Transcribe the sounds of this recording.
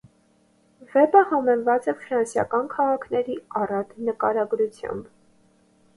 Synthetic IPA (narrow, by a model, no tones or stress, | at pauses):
vɛbəhɑmɛnvɑt͡sɛfɾɑnsjɑ̰kɑnkʰɑʁɑkʰnɛɾiɑrɑt̪nəkɑɾɑɡɾut͡sʰjɑ̰mb